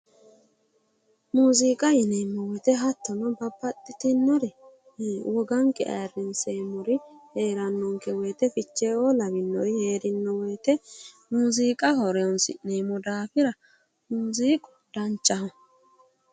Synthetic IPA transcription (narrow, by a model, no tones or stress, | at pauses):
muːziːkʼɐjɪneːmːɔwɔt̪ɛɦɐt̪ːɔnɔbɐbːɐt̪ʼːɪt̪ɪnːɔɾɛ | wɔɡɐŋkɛ̰ɐ̰jrːɪnseːmɔɾɪheːɾɐnːɔŋkɛwɔjt̪ɛfɪt͡ʃːeːolɐbɪnːɔjheːɾɪnːɔwɔjt̪ɛ | muːziːkʼɐhɔɾɛɔnsɪ̰neːmɔd̪aːfɪɾɐ | muːziːkʼʊ̥ | d̪̥ɐnt͡ʃʼːɐhɔ